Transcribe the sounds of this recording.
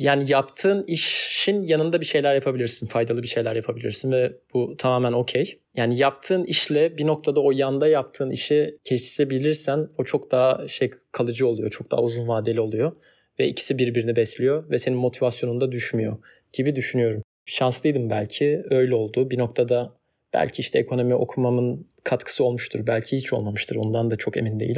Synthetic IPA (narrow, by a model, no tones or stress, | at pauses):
jaːnijapt̪ʰɯːniʃʃinjanɯnd̪abiʃe̞jlʲæɾjapʰabilʲiɾsinfajd̪alˠɯbiʃe̞jlʲæɾjapʰabilʲḭɾsinvɛb̥ut̪ʰamaːmæno̞cʰej | jaːnijapt̪ʰɯːniʃlʲɛbinok̚t̪ʰad̪aojand̪ajap̚t̪ʰɯːniʃɛcʰɛʃt͡ʃʰi̥sebilʲiɾsæno̞t͡ʃʰo̞k̚d̪aɦaʃejkʰalˠɯd͡ʒɯo̞lˠujo̞t͡ʃʰo̞k̚d̪a̰ɦauzunvaːd̪elʲio̞lˠujo̞ | vɛicʰi̥sibiɾbiɾinibɛslʲijo̞vɛse̞ninmo̞t̪ʰivasjo̞nund̪ad̪yʃmyjo̞̰ | ɟ̥ibid̪yʃynyjo̞ɾum | ʃanslˠɯjd̪ɯmbælʲcʰiø̞jlʲɛo̞lˠd̪uːbinok̚t̪ʰad̪a | b̥æ̰lʲcʰiiʃt̪ʰɛekʰo̞no̞miʔo̞̰kʰumamɯn | kʰat̪kʰɯ̥sɯo̞lˠmuʃt̪ʰuɾbælʲcʰihit͡ʃʰolˠmamɯʃt̪ʰɯɾo̞̰nd̪and̪at͡ʃʰo̞ke̞̰mind̪e̞jḭlʲ